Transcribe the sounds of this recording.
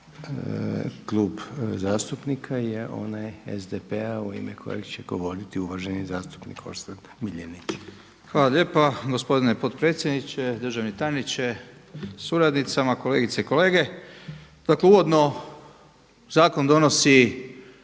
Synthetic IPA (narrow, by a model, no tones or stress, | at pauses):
klˠuːbzaːst̪upnikʰajeʔo̞̰najḛzd̪epeauḭmḛkʰo̞̰jḛɡt͡ɕeɡ̥o̞ʋo̞ɾit̪iuʋaʒenizaːst̪u̥pnḭkʰo̞̰ɾst̪an | milʎeni | xʋaːlaʎe̞ːpaɡo̞spo̞d̪inepot̪pɾe̞ːt̪sjed̪nit͡ʃed̪r̩ʒaʋnit̪aːjnit͡ʃesuɾad̪nit̪samako̞le̞ːɡit̪seiko̞le̞ːɡe̞ | d̪̥akleuʋo̞d̪no̞ | zaːko̞nd̪o̞nosi